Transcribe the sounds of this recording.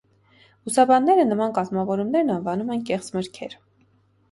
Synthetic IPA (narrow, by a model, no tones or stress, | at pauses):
usɑbɑnːɛɾənəmɑnkɑzmɑvɔɾumnɛɾnɑnvɑnumɛnkɛχt͡sməɾkʰɛɾ